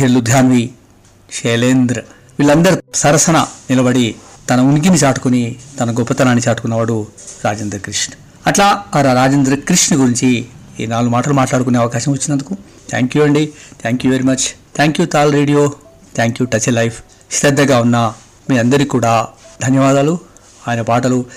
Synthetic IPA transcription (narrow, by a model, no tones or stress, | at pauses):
ɦilud̪ʱjaːnʋi | ʃeːleːnd̪ɾɐ | ʋiɭːɐnd̪ɐɾisɐɾɐsɐnɐnilɐbɐɽit̪ɐnɐuniɡ̬init͡ʃaːʈu̥kunit̪ɐnɐɡɔpːɐt̪ɐnaːnːit͡ʃaːʈu̥kunːɐʋaːɽuɾaːd͡ʒeːnd̪ɾɐkɾiʂnɐ̥ | ɐʈlaːɐɾaɾaːd͡ʒend̪ɾɐkɾiʂnɐɡuɾiɲt͡ʃi | iːnaːlːumaːʈɐlumaːʈlaːɽukuneːɐʋɐkaːʃɐmʋɐt͡ʃːinːɐnd̪uku | t̪ʰa̰ːŋkjuɐɳɖit̪ʰaːŋkjuʋeɾimɐt͡ʃt̪ʰaːŋkjut̪aːlɾeːɖijoː | t̪ʰaːŋkjuːʈɐt͡ʃelɐjpʰ | st̪ɐd̪ːɐɡaːunːaː | miːɐnd̪ɐɾikuːɽaːd̪ʱɐnjɐʋaːd̪aːlu | aːjɐnɐpaːʈɐlu